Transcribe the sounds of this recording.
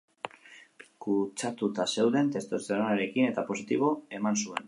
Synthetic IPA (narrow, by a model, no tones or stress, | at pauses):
kut͡ʃat̪ut̪ase̞wðe̞nt̪e̞st̪oseɾanaɾe̞kine̞t̪apo̞s̬it̪iβ̞o̞e̞mansue̞̰n